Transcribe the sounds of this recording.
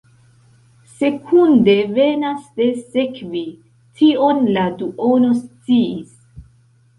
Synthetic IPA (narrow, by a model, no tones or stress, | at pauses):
se̞kʰund̪e̞ve̞nasd̪e̞se̞kvi | tʰio̞nladuʔo̞no̞st͡siis